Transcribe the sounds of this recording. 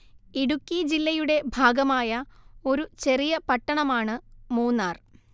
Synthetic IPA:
iɽukʲːid͡ʑilːɐjuɽe̞bʱaːɡɐmaːjɐo̞ɾut͡ɕe̞rijɐpɐʈːɐɳɐmaːɳɨmuːnːaːr

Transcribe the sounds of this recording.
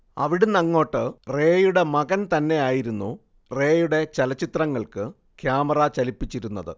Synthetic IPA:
ɐ̰ʋiɽunɐŋːo̞ːʈːɨre̞ːjuɽe̞mɐɣɐnt̪ɐnːe̞aːjiɾunːu | re̞ːjuɽe̞t͡ɕɐlɐt͡ɕːit̪rɐŋːɐɭkɨ | kʰjaːmɐrɐt͡ɕɐlipːit͡ɕːiɾunːɐðɨ̰

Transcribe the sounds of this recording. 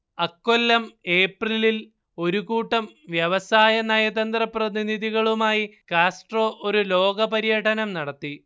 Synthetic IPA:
ɐkːo̞lːɐme̞ːprilil | o̞ɾuɣuːʈːɐmʋjɐʋɐsaːjɐnɐjɐðɐnd̪rɐprɐðiniðiɣɐɭumaːjikaːsʈro̞ːʔoɾulo̞ːɡɐpɐɾijɐʈʰɐnɐmnɐɽɐt̪ːi

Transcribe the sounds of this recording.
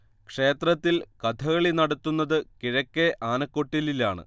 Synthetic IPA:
kʂe̞ːt̪rɐt̪ːilkɐt̪ʰɐɣɐɭinɐɽɐt̪ːunːɐðɨkiɻɐkːeʔaːnɐkːo̞ʈːililaːɳɨ̰

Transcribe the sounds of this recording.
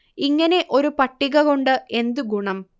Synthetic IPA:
iŋːɐne̞ʔo̞ɾupɐʈːiɣɐɣoɳɖɨe̞nd̪uɡuɳɐm

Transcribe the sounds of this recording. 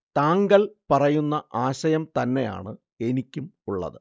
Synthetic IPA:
t̪aːŋɡɐlpɐrɐjunːɐʔaːɕɐjɐmt̪ɐnːe̞ja̰ːɳɨ | e̞nikʲːumuɭːɐ̰ðɨ

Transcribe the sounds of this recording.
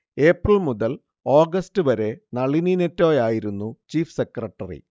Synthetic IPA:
e̞ːprɐɭmuðɐl | o̞ːɡɐstɨʋɐɾe̞nɐɭininetːo̞ːjaːjiɾunːut͡ɕiːfsekrɐʈːɐrḭ

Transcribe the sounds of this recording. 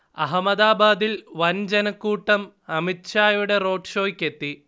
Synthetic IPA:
ɐ̰ɦɐmɐðaːbaːd̪ilʋɐnd͡ʑenɐkːuːʈːɐm | ɐmitɕaːjuɽe̞ro̞ːʈʂo̞ːkʲːe̞t̪ːi

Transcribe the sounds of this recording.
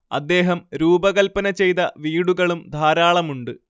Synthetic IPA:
ɐ̰d̪ːe̞ːɦɐmɾuːbɐɣɐlpɐnɐt͡ɕe̞jt̪ɐʋiːɽuɣɐɭumd̪ʱaːɾaːɭɐmuɳɖɨ

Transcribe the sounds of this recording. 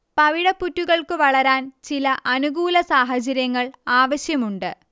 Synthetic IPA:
pɐʋiɽɐpːutːuɣɐɭkɨʋɐɭɐɾaːnt͡ɕilɐʔɐnuɣuːlɐsaːɦɐt͡ɕɐɾjɐŋːɐɭaːʋɐɕjɐmuɳɖɨ

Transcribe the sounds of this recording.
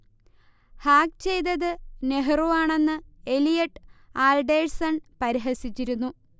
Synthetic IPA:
haːk̚t͡ɕe̞jd̪ɐðɨne̞ɦruʋaːɳe̞nːɨe̞lijɐʈːaːlɖe̞ːɻsɐnpɐɾiɦɐsit͡ɕːiɾunːu

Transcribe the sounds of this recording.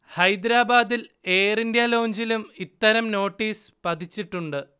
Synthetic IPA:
hɐjd̪ɾaːbaːd̪ile̞ːrindjaːlo̞ːɲd͡ʑilumit̪ːɐɾɐmno̞ːʈːiːspɐd̪ʰʱit͡ɕːiʈːuɳɖɨ

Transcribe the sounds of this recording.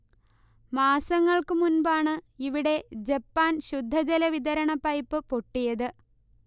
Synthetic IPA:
maːsɐŋːɐɭkɨmunbaːɳɨiʋiɽe̞d͡ʑepːaːnɕud̪ʱːɐd͡ʑɐlɐʋid̪ɐɾɐɳɐpɐjpːɨpoʈːijɐðɨ

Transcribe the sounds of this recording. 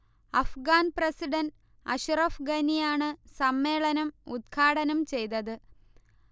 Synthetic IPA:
ɐfɡaːnprɐsiɖɐn | ɐ̰ɕurɐfɡɐnijaːɳɨsɐmːe̞ːɭɐnɐmud̪̚kʰaːɽɐnɐmt͡ɕe̞jt̪ɐðɨ

